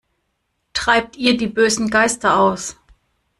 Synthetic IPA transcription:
tʁ̥aɪp̚tʔiːɐdiːbøːzn̩ɡaɪstɐʔaʊs

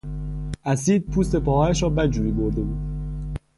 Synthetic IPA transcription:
ʔæsiːd̪̚pʰuːst̪e̞pɒːɒːjæʃɾɒːbæd͡ʒuːɾiːboɾd̪e̞buːd̪̥

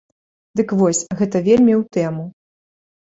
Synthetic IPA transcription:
d̪ɨkvɔsʲɣɛt̪ɐvʲelʲmʲiwt̪ɛmu

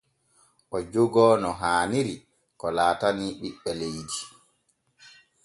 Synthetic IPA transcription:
ʔɔd͡ʒoɡɔːnɔɦaːniɾi | kɔlaːtaniɓiɓːɛlejdi

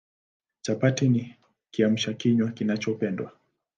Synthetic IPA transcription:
t͡ʃapatini | kiam̩ʃakiɲwakinat͡ʃɔpɛndwa

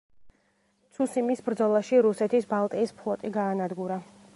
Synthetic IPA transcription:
t̪sʰusimisbɾd̪zɔlˠaʃiɾusɛt̪ʰisbalˠt̪ʼiːspʰlˠɔt̪ʼiɡaːnad̪ɡuɾa

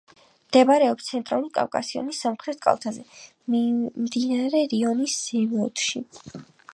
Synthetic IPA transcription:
md̪̥ɛbaɾɛɔpst̪sʰɛnt̪ʼɾalˠuɾikʼa̰vkʼa̰siɔ̰nisːamχɾɛt̪̚ʰkʼa̰lˠt̪ʰazɛ | mimd̪inaɾɛɾiɔnisːɛmɔt̪ʰʃḭ

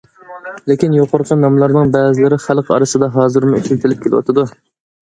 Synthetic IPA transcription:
lekʲinjoqʰʊɾqʰənɑmlˠɑɾnɨŋbɛzɪlɪɾɪχælˠqʰɑ̰ɾɨsɨd̪ɑɦɑːzɨɾmʊyt͡ʃʰylʲt̪ʰɪlɪp̚kʲʰelwɑ̰t̪ɨd̪u

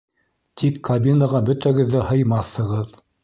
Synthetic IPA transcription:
t̪ʰikʰːɐbʲinəʁɑbɵ̆t̪æɡɘ̆ðːæhɤ̆jmɑθhɤ̆ʁɤð

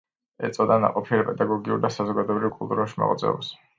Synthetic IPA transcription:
ɛt̪sʼɔd̪ana̰qʼɔpʰiaɾpʼɛd̪aɡɔɡiuɾd̪asazɔɡad̪ɔɛbɾivkʼulˠt̪ʼuɾuʃma̰ʁʼɔd̪zɛ̰ɔ̰bs

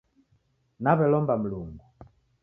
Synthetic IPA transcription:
naβɛlɔmbam̩luŋɡu

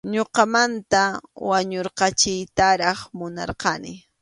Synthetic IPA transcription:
ɲoqɑmant̪awaɲoɾqɑt͡ʃɪjt̪aɾɑχmʊnɑ̰ɾqɑnɪ

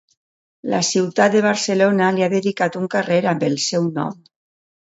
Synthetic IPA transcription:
la̰siwt̪at̪̚d̪eβ̞aɾselonaliaðeðikat̪uŋkareɾambelˠsɛwnɔ̰m

